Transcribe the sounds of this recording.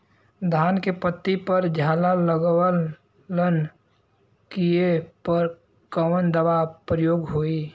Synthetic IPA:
d̪ʱaːnkepət̪ːipəɾd͡ʒʱaːlaləɡwəl | lən | kiepəɾ | kəwənd̪əbapɾəjoːɡɦoːi

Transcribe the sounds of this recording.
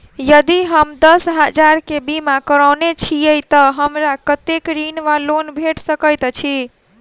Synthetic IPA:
jəd̪iɦəmd̪əsɦəd͡ʒaɾkebimakəɾəwnet͡ʃʰijəjt̪əɦəmɾakət̪ekɾinʋalonbʱeʈsəkəjt̪t͡ʃʰi

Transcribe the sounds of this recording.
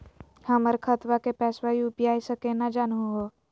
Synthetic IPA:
həməɾkʰət̪wakepɛːswaiʊpijaːisəkenad͡ʒaːnɦoɦo

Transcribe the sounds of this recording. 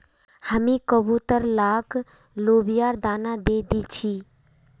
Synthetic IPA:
həmĩːkəbut̪əɾlaːk | loːbijaːɾd̪aːnad̪eːd̪it͡ʃʰiː

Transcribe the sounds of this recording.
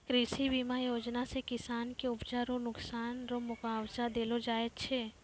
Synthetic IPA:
kɾiʃibiːmajoːd͡ʒnasekɪsaːnkeʊpd͡ʒaːɾõnʊksaːnɾomʊkaːwzad̪eːlod͡ʒaːett͡ʃʰeː

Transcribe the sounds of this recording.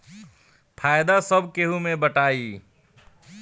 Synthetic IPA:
pʰajd̪asəbʱkeɦumebəʈai

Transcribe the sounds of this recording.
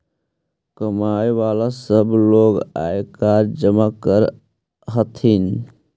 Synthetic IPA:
kəmajeʋalasəbloːɡa̰jekaɾd͡ʒəmakəɾ | ɦət̪ʰin

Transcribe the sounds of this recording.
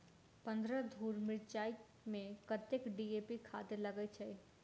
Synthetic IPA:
pɐ̃nd̪ɾəd̪ʱuːɾmɪɾt͡ʃaːi | mẽkət̪ekɖiːeːpikʰa̰ːt̪ɪɾlɐɡəit͡ʃʰɐi

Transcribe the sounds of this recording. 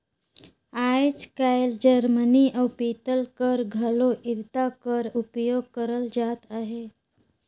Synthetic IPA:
ajt͡skajld͡ʑəɾməniʔawpit̪əlkəɾɡʱaloʔiɾt̪akəɾupjoɡ̚kəɾəld͡zat̪aɦe

